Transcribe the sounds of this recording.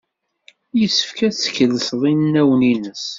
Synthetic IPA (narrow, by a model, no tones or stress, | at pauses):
jəsːə̥fkæθə̥çəlːəsðˤinnːæwninəs